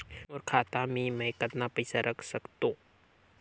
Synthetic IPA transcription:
ɔːɾkʰaːt̪ãmẽmɛ̃kət̪napəɪsaɾɐkʰsɐkt̪õː

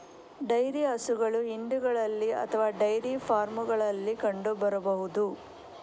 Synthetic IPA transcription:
ɖɐjɾiɐsuɡɐɭuiɳɖuɡɐɭɐlːiɐ̰t̪ʰɐʋaːɖɐjɾipʰaːɾmuɡɐɭɐlːikɐɳɖubɐɾɐbɐɦud̪u

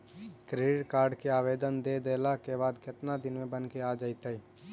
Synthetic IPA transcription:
kɾeʈkaːɾɖkeaːʋeːd̪ənd̪ed̪elakebaːd̪kɪt̪nad̪ɪnmẽbənkead͡ʒaɪt̪əi

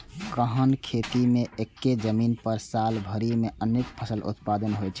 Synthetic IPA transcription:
kəɦənkʰet̪imeekːed͡ʒəminpəɾsalbʱəɾimeənːekpʰəsəlʔṵt̪pad̪ənɦojt͡ʃʰɛ̥

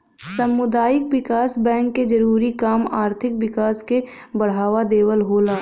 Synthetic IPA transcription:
sɐmːʊd̪aːjɪk̚wɪkaːsbɛ̃ːŋkːed͡ʒɐɾuːɾikaːmaːɾt̪ʰɪkwɪkaːske | bɐɽ̤aːʋad̪eːwəlɦoːlaː

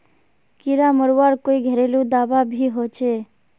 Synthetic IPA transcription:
kɪɾaməɾʋaːɾkoiɡʱeɾelũd̪aːʋabʱiːɦot͡ʃʰe

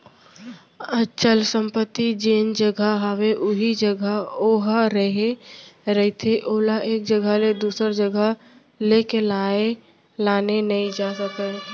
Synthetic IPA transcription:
ət͡ʃəlsə̃mpət̪ːid͡ʒeːnd͡ʒəɡʱəɦəweʔʊɦid͡ʒəɡʱəoɦɾəɦeɾəɦit̪ʰeʔoːlaʔeːk̚d͡ʒəɡʱəled̪uːsəɾd͡ʒəɡʱə | lekelae | laːnenəɦĩd͡ʒaːsəkə

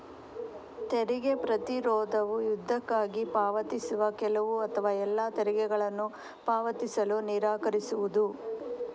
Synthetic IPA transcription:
t̪ɛɾiɡepɾɐt̪iɾɔːd̪ɐʋujud̪ʱːɐkːaːɡipaːʋɐt̪isuʋɐkɛlɐʋuɐt̪ʰɐʋaːɛlːat̪ɛɾiɡɛɡɐɭɐnːu | paːʋɐt̪isɐluniɾaːkɐɾisuʋud̪u

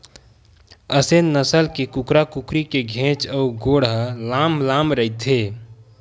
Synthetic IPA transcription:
əsenːəsəlkekukɾakukɾikeɡʱẽt͡ʃɔːɡoːɽɦlamlamɾəɦit̪ʰe

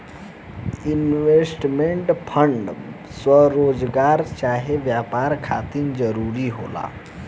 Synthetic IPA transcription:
inʋesʈmeɳʈpʰəɳɖswəɾoːd͡ʒɡaːɾt͡ʃaːɦeʋjapaɾkʰa̰t̪ind͡ʒəɾuɾiɦo̰la̰

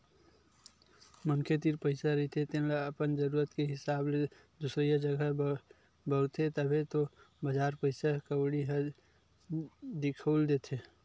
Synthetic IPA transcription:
mənkʰet̪iɾpəɪsaɾəit̪ʰet̪enlaəpənd͡ʒəɾuɾət̪keɦɪsable | d̪usɾijəd͡ʒəɡə | bəɾt̪ʰet̪əbʱet̪o | bəd͡ʒaɾpəɪsakəwɽiɦə | d̪ikʰəld̪et̪ʰe

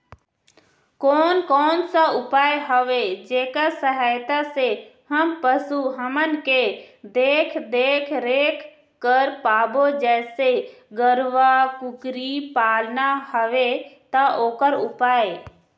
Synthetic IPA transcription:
koːnkɔːnsaʊpaːjɦəʋed͡ʒeːkasəɦaːɪt̪asehəmpəsuɦəmənked̪eːkʰd̪eːkʰɾeːkʰ | kəɾpaːbod͡ʒɛːseɡəɾʋakʊkɾipaːlnahəʋet̪aʔoːkəɾʊpaːe

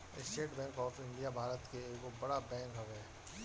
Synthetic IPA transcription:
ɪsʈeːʈbɛ̃ːŋkɔːfɪ̃ɳɖijabʱaːɾət̪keːkobɐɽabɛ̃ːŋkɦɐʋɛː

